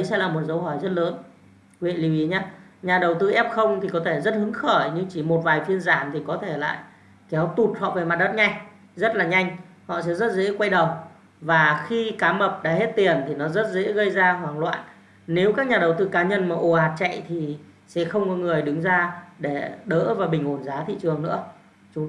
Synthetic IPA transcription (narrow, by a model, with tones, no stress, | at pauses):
ɗə˨˦jsɛ̰˧˥laː˨˩mo˨˩t̚zə˨˦wɦɔ˧˩jzə˦˥t̚ləː˨˦n | wḭ˧˨li˨˦vʔi˨˦ɲaː˧ɲaː˨˩ɗə˨˩wt̪ɨ˧ʔɛ˦˥p̚xə˧wŋ͡mt̪ʰi˨˩kɔ˨˦t̪ʰe˧˩zə˦˥t̚ɦɨ˨˦əŋxəː˧˩jɲɨ˧ŋt͡ɕi˧˩mo˨˩t̚vaː˨˩jfi˧ənzaː˧˩mt̪ʰi˨˩kɔ˨˦t̪ʰe˧˩la̰ː˧˨j | kɛ˨˦wt̪u˨˩t̚hɔ̰˧˨ve˨˩jma˨˩ɗə˦˥t̚ɲa˧jŋ | zə˦˥t̚laː˨˩ɲa˧jŋ̟hɔ̰˧˨sɛ̰˧˥zə˦˥t̚zḛ˧˥kwa˧jɗə˨˩w | vaː˨˩xi˧kaː˨˦mə˨˩p̚ɗa̰ː˧˥he˦˥t̚t̪i˨˩ənt̪ʰi˨˩nɔ˨˦zə˦˥t̚zḛ˧˥ɣə˧jzaː˧ɦwaː˨˩ŋlwa̰ː˧˨n | ne˨˦wkaː˦˥k̚ɲaː˨˩ɗə˨˩wt̪ɨ˧kaː˨˦ɲə˧nmaː˨˩ʔo˨˩haː˨˩t̚t͡ɕa̰˧˨jt̪ʰi˨˩ | sɛ̰˧˥xə˧wŋ͡mkɔ˨˦ŋɨ˨˩əjɗɨ˨˦ŋzaː˧ɗe˧˩ɗə̰ː˧˥vaː˨˩ɓï˨˩ŋ̟ho˧˩nzaː˨˦t̪ʰḭ˧˨t͡ɕɨ˨˩əŋnɨ̰˧˥ə | t͡ɕʊ˨˦ŋ͡m